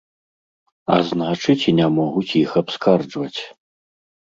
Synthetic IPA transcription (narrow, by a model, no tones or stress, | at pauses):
a̰znat͡ʂɨt͡sʲinʲamɔɣut͡sʲixapskard͡ʐvɐt͡sʲ